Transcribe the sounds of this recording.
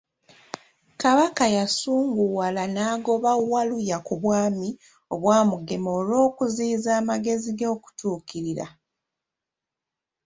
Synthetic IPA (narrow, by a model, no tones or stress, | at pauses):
kaβakajasuːŋɡuwalanaːɡo̞βawːalujakuβwaːmi | o̞βwaːmuɡe̞mo̞ːlo̞ːkuziːzaːmaɡe̞ziɡoːku̥tuːkiɾiɾa̰